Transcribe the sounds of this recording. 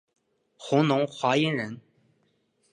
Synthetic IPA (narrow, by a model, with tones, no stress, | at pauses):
xʊ˧˥ŋnʊ˧˥ŋxwa˧˥i˥nɻə˧˥n